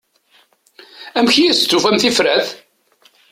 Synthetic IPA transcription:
æmçijist͡sːufæmθifɾæð

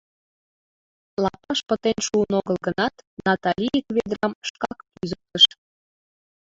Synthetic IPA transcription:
lɑpɑʃpət̪enʃuənoɣəlɡənɑt̪nɑt̪ɑlʲiekβed̪rɑmʃkɑkpyzək̚t̪əʃ

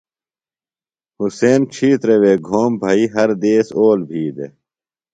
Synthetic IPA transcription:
huseːnt͡ɕʰiːt̪ɾeweːɡʱoːmbʱɐːiɦɐɾd̪eːsoːlbʱiːd̪ḛ

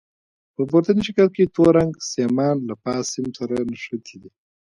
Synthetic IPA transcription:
pəpoɾt̪aniʃɪkalket̪oɾaŋɡsemɑːnlapɑːsɪmsaɾanaʂat̪ʰid̪i

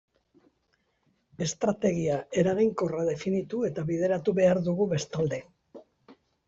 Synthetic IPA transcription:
e̞st̪ɾat̪e̞ɣiaʔe̞ɾaɣiŋko̞raðe̞finit̪ue̞t̪aβiðe̞ɾat̪uβe̞aɾðuɣuβe̞st̪ald̪e̞

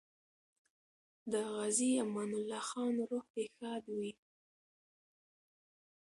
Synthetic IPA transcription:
d̪əɣaziamɑnʊlːɑxɑnɾoht̪exɑd̪wi

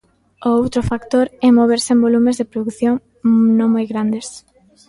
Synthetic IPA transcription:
oowt̪ɾofakt̪oɾɛmoβ̞eɾsembolumezðepɾoðukθjõŋ | nõŋmojɣɾand̪es

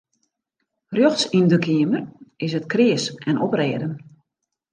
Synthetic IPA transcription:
rjɔxsindəkʰiəmərɪsətkrɪəsɛnɔprɛːədən

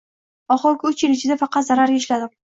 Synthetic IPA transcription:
ɒχɨɾkʲʰʊt͡ʃjɪlɪt͡ʃʰɪd̪afɑqɑt̪zaɾaɾʲaʃlad̪ɪm

